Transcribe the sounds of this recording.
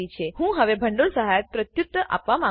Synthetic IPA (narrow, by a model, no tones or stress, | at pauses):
it͡ɕʰehũɦəʋebʱəɳɖuɭsəɦajət̪̚pɾət̪jut̪ːəʔa̰pʋamã